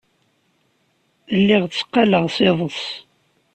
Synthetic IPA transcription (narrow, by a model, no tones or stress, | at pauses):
əlːɪʁt͡sːə̥qːɑləʁsɪðˤəs